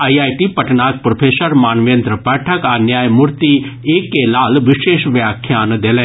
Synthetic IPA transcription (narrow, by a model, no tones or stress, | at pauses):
ajaːjʈipɐʈnaːk̚pɾopʰeːsəɾmaːnʋjɐnt̪ɾəpɛːʈʰɐkaːnjaːjmuɾt̪ieːkːelaːlʋɪʃeːʃʋjaːkʰjaːnd̪eːlẽː